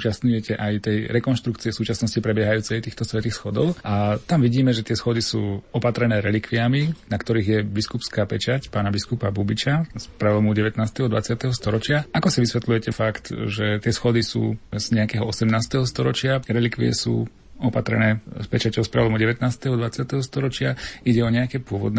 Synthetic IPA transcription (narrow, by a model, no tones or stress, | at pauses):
t͡ʃast̪ɲujɛcɛʔajt̪ɛjɾɛkɔnʃt̪ɾukt͡siɛsuːt͡ʃasnɔscipɾɛbjɛɦajuːt͡sɛjt̪iːxt̪ɔsʋɛt̪iːxsxɔd̪ɔʊʔat̪amʋiɟiːmɛʒɛt̪ɪɛsxɔd̪isuːɔpat̪ɾɛnɛːɾɛlikʋiaminakt̪ɔɾiːɣjɛbiskupskaːpɛt͡ʃacpaːnabiskupabubit͡ʃaspɾɛlɔmuɟɛʋɛt̪naːst̪ɛɦɔd̪ʋat͡sɪat̪ɛɦɔst̪ɔɾɔt͡ʃɪaʔakɔsiʋisʋɛt̪lujɛcɛfakt̪ʒɛt̪ɪɛsxɔd̪isṵːz̥ɲɛakɛːɦɔɔsɛmnaːst̪ɛɦɔst̪ɔɾɔt͡ʃɪaɾɛlikʋḭɛ̰sṵː | ɔpat̪ɾɛ̰nɛːspɛt͡ʃacɔʊspɾɛlɔmuɟɛʋɛt̪naːst̪ɛɦɔd̪ʋat͡sɪat̪ɛɦɔst̪ɔɾɔt͡ʃɪaiɟɛɔɲɛakɛːpʊɔʋɔ̰d̪n